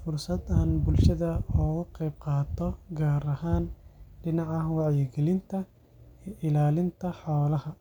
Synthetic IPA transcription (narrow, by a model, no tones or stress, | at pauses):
fʊrsɐd̪aːnbʊlʃɐðɐɔːɣʊqɛjb̚qɑːt̪ʰɔɡaːɾɐɦaːnɖɪnɑʕɑwɑʕjɪɡɛlɪnt̪ʰɐ | ʔɪlaːlɪnt̪ʰɐħawlɐhɐ